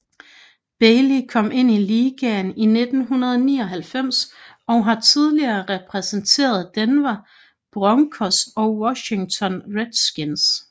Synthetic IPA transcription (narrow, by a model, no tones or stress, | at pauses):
b̥eɪlikʰɒ̽m̰ʔe̝n̰iliːɡ̥ɛnine̝d̥n̩ɦunɐð̞ˠniːɒ̽ɦælfem̰s | ɒ̽ɦɑ̈t͡sʰið̞ˠliɐːʁɛpʰʁɛsent͡sʰe̝̰ːɐð̩ˠd̥enʋæ | b̥ʁɒŋkʰɒsd̥ɒ̽wɒɕe̝ŋt͡sʰɒ̽nʁed̥sɡ̥ins